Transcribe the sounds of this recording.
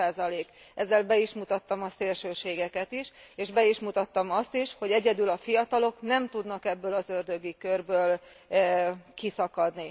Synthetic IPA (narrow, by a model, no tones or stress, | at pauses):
aːzɒleːk | ʔɛzːɛlbɛiʃmut̪ɒt̪ːɒmɒseːlʃøːʃeːɡɛkɛt̪iʃeːʒbɛiʃmut̪ɒt̪ːɒmɒst̪iʃho̞ɟɛɟɛd̪ylɒfijɒt̪ɒlo̞knɛmt̪ud̪nɒkɛbːøːlɒzø̞rd̪ø̞ɡikørbøːl | kisɒkɒd̪ni